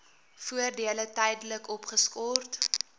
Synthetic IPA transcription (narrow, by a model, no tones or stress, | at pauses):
fuərdiələtɛjdələkɔpχəskɔrt